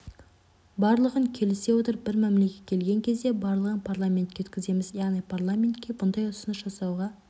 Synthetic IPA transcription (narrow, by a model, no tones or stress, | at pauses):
bɑɾlˠəʁəŋkʲʰe̞lɪse̞wo̞t̪əɾbɪɾmæmle̞kʲe̞t̪̚kʲʰe̞lɡʲe̞ŋkʲʰe̞zd̪e̞bɑɾlˠəʁənpʰaɾlˠamʲe̞nt̪̚kʲeʏ̥t̪̚ʲkʲɪze̞mɪzjɑʁnijpʰarlˠamʲe̞nt̪kʲːe̞bʊnd̪ɑjʊsʊnəʃʒ̥ɑsɑwʁɑ